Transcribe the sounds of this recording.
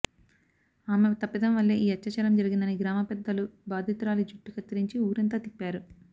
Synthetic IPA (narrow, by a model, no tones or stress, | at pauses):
aːmet̪ɐpːid̪ɐmʋɐlːeːʔiːɐt͡ʃːɐt͡ʃɐɾɐmd͡ʒɐɾiɡind̪ɐniɡɾaːmɐpɛd̪ːɐlubaːd̪ʱit̪uɾaːlid͡ʒuʈːikɐt͡ʃːɐɾiɲt͡ʃiuːɾɐnt̪aːt̪ipːaːɾu